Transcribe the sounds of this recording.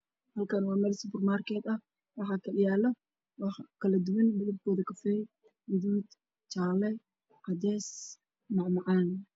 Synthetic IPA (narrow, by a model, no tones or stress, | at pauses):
hɐlkʰɐnwɑːmɛlsɪbʊrmaːrkʰɛːd̪ɐ | wɑħɑkʰɐɗɪjaːlɔ | wɑħkʰɐlɐd̪ʊwɐnbʊðʊb̚kʰɔːðɐkʰɐfɪɾ | wʊðuːd̪ | t͡ʃaːlɛ | qɑd̪ɛːs | mɑʕmɑʕɑːn